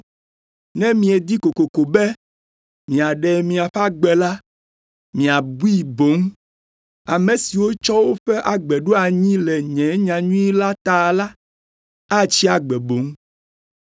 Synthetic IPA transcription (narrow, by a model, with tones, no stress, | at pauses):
nɛ̃˦mĩ˨ɛ˨d̪i˦ko˨ko˨ko˨bɛ˦ | mĩ˨a˨ɖɛ˨mĩ˨a˨ɸa˦ɡ͡bɛ˨la˦ | mĩ˨a˨bu˦i˦˨bo˨˦ŋ | a˨mẽ˨si˨wo˦t͡ʃɔ˦wo˦ɸɛ˦ʔa˨ɡ͡bɛ˨ɖo˦a˨ɲĩ˦lɛ˨ɲɛ̃˨˦ɲã˨ɲũ˦i˦la˦t̪a˨la˦ | a˦t͡ɕi˦a˨ɡ͡bɛ˨bo˨˦ŋ˦